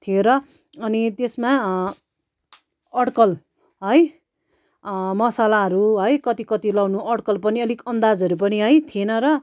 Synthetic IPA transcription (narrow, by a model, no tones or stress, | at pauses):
t̪ʰieɾʌ | ʌnit̪esma | ʌɽkʌl | ɦʌj | mʌsalaɦʌɾuɦʌjkʌt̪ikʌt̪ilʌwnuʔʌɽkʌlpʌniʌlikʌnd̪ad͡zʌɾup̬ʌniɦʌjt̪ʰienʌɾʌ